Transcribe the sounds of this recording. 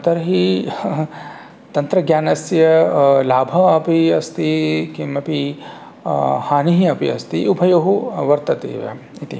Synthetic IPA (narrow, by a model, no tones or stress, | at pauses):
t̪ɐɾɐɦi | t̪ɐnt̪ɾɐɡjaːnɐsjɐlaːbʱɐɐpiɐst̪ikimɐpi | haːniɦiɐpḭɐst̪iʔubʱɐjoɦuʋɐɾt̪ɐt̪ḛːʋɐ̰ | it̪ḭ